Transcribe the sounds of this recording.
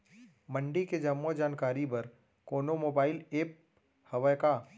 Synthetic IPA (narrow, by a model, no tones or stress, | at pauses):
məɳɖiked͡ʒɐmːod͡ʒaːnkaːɾibɐɾ | koːnomoːbaːɪleːp̚ | hɐʋəjka